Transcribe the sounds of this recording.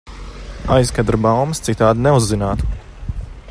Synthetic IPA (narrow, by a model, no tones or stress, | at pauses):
ajskad̪ɾbawmst̪sit̪aːd̪nɛuzːinaːt̪u̥